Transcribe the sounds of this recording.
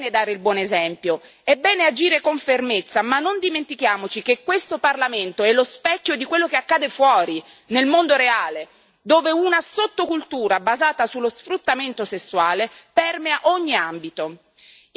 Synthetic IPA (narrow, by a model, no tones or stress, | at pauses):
ned̪aːɾeilbwɔːnezɛmpjo | ɛbɛːnead͡ʒiːɾekoɱfermet̪sːamanːond̪iment̪ikjaːmot͡ʃikekːwest̪oparlament̪oɛlːospɛkːjod̪ikwelːokeakːaːd̪efwɔːɾi | nelmond̪oɾeaːle | d̪oːveunasot̪ːokult̪uːɾabazaːt̪asulːosfɾut̪ːament̪osesːuaːlepɛrmeaʔoɲːiambit̪o